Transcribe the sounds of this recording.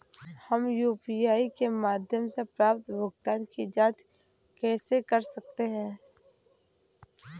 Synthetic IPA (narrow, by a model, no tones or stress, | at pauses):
hɐmjuːpiaːikemaːd̪ʱjəmsepɾaːpt̪bʱʊɡd̪aːnkid͡ʒaːd͡ʒ | kɛːsekɐɾsɐk̚t̪eɦɛ̃ː